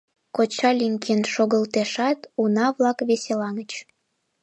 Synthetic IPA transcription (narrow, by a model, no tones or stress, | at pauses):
kot͡ɕɑlʲiŋkenʃoɣəlt̪eʃɑt̪unɑβlɑkβeselɑŋət͡ɕ